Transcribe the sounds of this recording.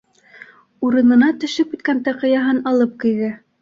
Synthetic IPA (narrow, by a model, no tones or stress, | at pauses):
uɾɤ̆nɤ̆nɑt̪ɵ̆ʃɵp̚ɘt̪̚kænt̪ɑqɤ̆jɑɦɤnɑlˠɤp̚kɤ̆jðæ